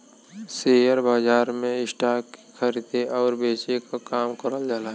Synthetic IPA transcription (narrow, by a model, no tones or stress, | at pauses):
seːjəɾbaːd͡ʒaːɾmẽɪsʈaːkːi̥kʰəɾɪd̪eʔɔːɾbeːt͡ʃekakaːmkəɾəld͡ʒaːlaːɦ